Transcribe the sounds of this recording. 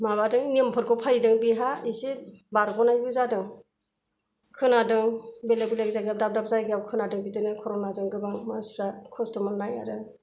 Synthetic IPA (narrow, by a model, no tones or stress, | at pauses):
maβadɯŋniəmpʰɔt̚kʰɔpʰajdɯŋbiɦaisibaɾɡʰɔnajuzadɯŋ | kʰɯnadɯŋbelebilekzaɡap̚dap̚dap̚zajɡawkʰɯnadɯŋbidɯnɯkʰɔɾɔnazɯŋɡɯbaŋmansu̥takʰɔstɔmannːaja̰ɾɯ